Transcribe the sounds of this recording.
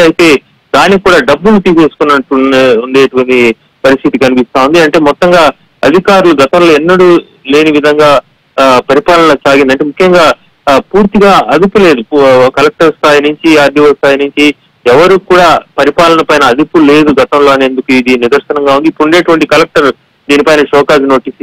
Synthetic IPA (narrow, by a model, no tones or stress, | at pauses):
ɐjit̪e̞ː | d̪aːnːikːuːɽaːɖɐbːulut̪iːpe̞ːsu̥kunːɐʈuuɳɖe̞ːʈuʋɐɳʈi | pɐɾist̪ʰit̪ikɐnipist̪aːund̪iɐɳʈe̞ːmɔt̪ːɐŋɡaː | ɐd̪ʱikaːɾuluɡɐt̪ɐmlo̞ːɛnːɐɽu | le̞ːniʋid̪ʱɐŋɡaː | pɐɾipaːlɐnɐt͡ʃaːɡind̪iɐɳʈeːmukʰjɐŋɡaː | puːɾt̪iɡaːɐd̪upule̞ːd̪ukɐlek̚ʈɐɾst̪ʰaːjinuɲt͡ʃiaːɾd̪ʱiʋɐst̪ʰaːjinuɲt͡ʃi | ɛʋɐɾuːkuːɽaːpɐɾipaːlɐnɐpɐjnɐːd̪upule̞ːd̪uɡɐt̪ɐmlo̞ːɐneːnd̪ukuid̪inid̪ɐɾʃɐnɐŋɡaːund̪ipuuɳɖeːʈuʋɐɳʈikɐlek̚ʈɐɾ | d̪iːnipɐjnɐʃɔːkaːd͡ʒno̞ːʈiːsi